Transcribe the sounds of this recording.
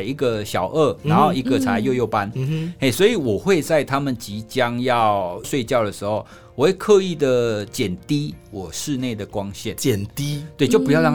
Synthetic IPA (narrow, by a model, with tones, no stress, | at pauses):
i˧˥ɡə˨ɕjɑ˨˩ʊʔə˥˩na˨˧˦nxo˥˧ʊi˧˥ɡə˨t͡sʰa˧˥ɪjo˥˧ʊjo˥˩ʊpa˦ne˥˩ɪswɔ˧˥i˨˩wɔ˨˩xwe˥˧ɪt͡sa˥˧ɪt̪ʰa˦mə˨nt͡ɕi˧˦t͡ɕjɑ˦ŋjɑ˥˨ʊʂwe˥˧ɪt͡ɕjɑ˥˩ʊd̪ə˩ʂɻ̩˧˥xo˥˩ʊ | wɔ˨˩we˥˩ɪkʰɤ˥˧i˥˩d̪ə˩t͡ɕjɛ˨˩nt̪i˥wɔ˨˩ʂɻ̩˥˧ne˥˩ɪd̪ə˩kwɑ˦˥ŋɕjɛ˥˩nt͡ɕjɛ˨˩nt̪i˦t̪we˥˩ɪt͡ɕjo˥˩ʊpu˧˦jɑ˥˧ʊɻɑ˥˧